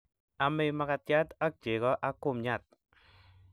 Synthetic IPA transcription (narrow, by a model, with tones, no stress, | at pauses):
a˨me˧ma˦ka˧tja˦ta˦k̚d͡ʒe˨ɣɔ˦ʔa˦ko˦˨mɲa˦˨t̪̚